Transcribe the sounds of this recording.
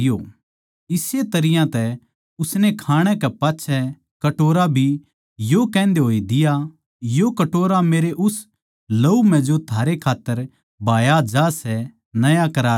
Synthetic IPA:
jo | ɪset̪ɐɾɪjãt̪ɛ | ʊsnɛkʰaːɽ̃ɛ̃kɛpaːtːʃʰɛ | kɐʈoːɾabʱi | jokɛ̃ːn̆d̪eɦoːid̪ɪja | jokɐʈoːɾameːɾeʔʊs | loːum̤ɛ̃d͡ʒot̪ʰaːɾekʰaːt̪ːəɾ | bʱaːjad͡ʒaːsɛ | nɐjakɐɾaː

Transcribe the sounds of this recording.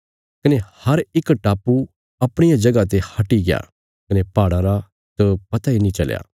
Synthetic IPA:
kɐnehɐɾɪkʈaːpːu | ɐpɽ̃ɪjad͡ʒɐɡat̪̬ehɐʈːiɡɪja̰ː | kɐnepaːɽ̃ãɾa | t̪opɐt̪ainĩt͡ʃɐl̰ja̰ː

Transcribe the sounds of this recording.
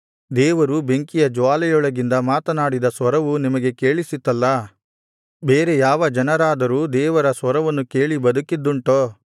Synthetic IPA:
d̪ɛːʋɐɾube̞ŋkijɐd͡ʒʋaːlɛjɔɭɐɡind̪ɐmaːt̪ɐnaːɽid̪ɐsʋɐɾɐʋunimɐɡe̞ke̞ːɭisit̪ːɐlːɐ | beːɾe̞jaːʋɐd͡ʒɐnɐɾaːd̪ɐɾuːd̪ɛːʋɐɾɐsʋɐɾɐʋɐnːuke̞ːɭibɐd̪ukid̪ːuɳʈoː

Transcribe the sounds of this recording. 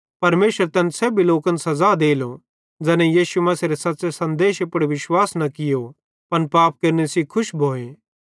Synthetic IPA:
pɐɾmeːʃəɾt̪ɛːnsɛːbʱiloːkɐnsɐzad̪eːlo | d͡ʒɛːnɛjiːsumɐseɾesɐtːsesɐ̃nd̪eːʃepəɽeʋɪʃwaːsnɐkɪjo | pɐnpaːp̚kɐɾnesikʰʊʃbʱoːeː

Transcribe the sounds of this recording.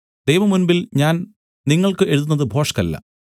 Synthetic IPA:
d̪ejʋɐmunbilɲaːn | niŋːɐɭkɨe̞ɻuðunːɐðɨbʱo̞ːʂɐ̥kɐlːɐ̰

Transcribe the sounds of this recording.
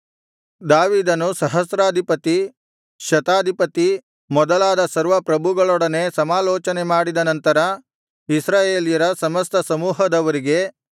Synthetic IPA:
d̪aːʋiːd̪ɐnusɐɦɐsɾaːd̪ʱipɐt̪i | ʃɐt̪aːd̪ʱipɐt̪i | mɔd̪ɐlaːd̪ɐsɐɾʋɐpɾɐbʱuɡɐɭɔɽɐne̞sɐmaːlɔːt͡ʃɐnemaːɽid̪ɐnɐnt̪ɐɾɐ | isɾaːjeːlijɐɾɐsɐmɐst̪ɐsɐmuːɦɐd̪ɐʋɐɾiɡe̞

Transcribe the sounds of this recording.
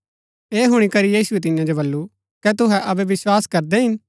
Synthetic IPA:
eːɦʊɽ̃ikɐɾijiːsʊɛt̪̬ɪjãd͡ʒobɐlːu | kɛt̪ʊɦɛʔɐbɛʋɪswaːskɐɾd̪ɛɦɪn

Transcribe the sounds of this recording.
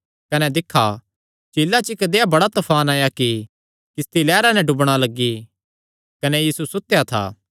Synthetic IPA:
kɐnɛd̪ɪkʰːa | t͡ʃeːlːat͡ʃɪkd̪eabɐɽat̪ɐpʰaːnaːjaki | kɪst̪ilɛːɾanɛɖʊbɽ̃alɐɡːi | kɐnɛjiːsusʊt̪jat̪ʰa̰ː

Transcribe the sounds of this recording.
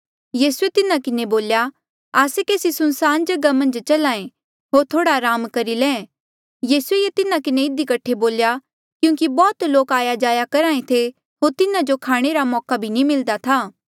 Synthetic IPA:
jiːsuet̪ɪnakɪneboːlja | aːsekeːsisʊnsaːnd͡ʒɐɡamɐ̃nd͡ʒt͡ʃɐlaːẽ | ɦoːɾt̪ʰoːɽaɾaːmkɐɾilɛ̃ː | jiːsuejet̪ɪnãkɪneɪd̪ikɐʈʰːeboːlja | kjũːkibɔːt̪loːkaːjad͡ʒaːjakɐɾaːẽt̪ʰe | ɦoːɾt̪ɪnad͡ʒokʰaːɽ̃eɾamɔːkabʱinimɪld̪at̪ʰaː

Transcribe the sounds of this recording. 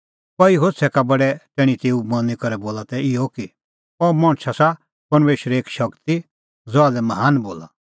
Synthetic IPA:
pɐiɦosʰɛkabɐɽɛʈɛːɽ̃ĩt̪eːumɐ̃nikɐɾɛboːlat̪ɛɪjɔki | ɔmɐ̃ɽ̃t͡ʃʰasa | pɐɾmeːʃɾɛeːkʃɐkt̪i | d͡zɔadɛmɐɦaːnboːla̰

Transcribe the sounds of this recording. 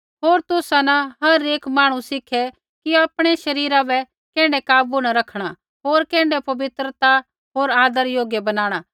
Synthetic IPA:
ɦoːɾt̪ʊsanɐɦɐɾeːkmaːɽ̃ũsɪkʰɛ | kiaːpɽ̃eʃɐɾiːɾabɛ | kɛ̃ːɳɖɛkaːbunɐɾɐkʰɽ̃a | ɦoːɾkɛ̃ːɳɖɛpɐʋɪt̪ɾət̪a | ɦoːɾaːd̪əɾjoːɡjɛbɐnaːɽ̃aː

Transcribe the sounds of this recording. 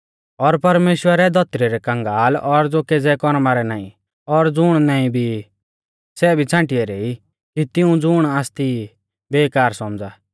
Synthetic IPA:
ɔɾpɐɾmeːʃwəɾɛd̪ʱɔt̪ɾiɾɛkɐ̃ŋɡaːlɔɾd͡zoːked͡zɛkɔɾmaɾɛnaːḭ̃ | ɔɾd͡zʊɽ̃naːĩbʱi | sɛbʱit͡sʰãːʈɪɛɾei | kit̪ɪũd͡zʊɽ̃aːst̪i | beːkaːɾsɔmd͡zaː

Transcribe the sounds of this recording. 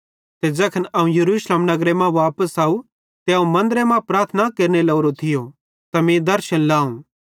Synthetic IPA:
t̪ed͡ʒɐkʰənɐũjɐɾuːʃleːmnɐɡɾemãʋaːpəsaːu | t̪eɐũmɐ̃nd̪əɾemãpɾaːɾt̪ʰnakeːɾnelɐːɾot̪ʰɪjo | t̪amẽd̪ɐɾʃənlaːũː

